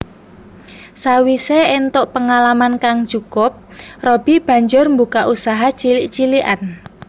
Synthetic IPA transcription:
sawiseent̪oʔpəŋalamankaŋ̥d͡ʒ̥ukʊp̚rɔb̥i̤b̥ä̤ɲd͡ʒʊrmbukaʔusaɦat͡ʃiliʔt͡ʃiliʔa̰n

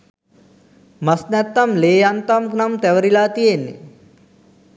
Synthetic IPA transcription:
masnɛt̪ːamleːjant̪amkunamt̪æʋəɾilaːt̪ijenːḛ

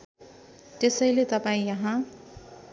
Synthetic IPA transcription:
t̪esʌjlet̪ʌpaĩjʌɦã

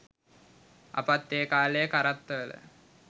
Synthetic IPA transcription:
a̰pat̪ːeːkaːlejəkaɾat̪ːəʋələ̰

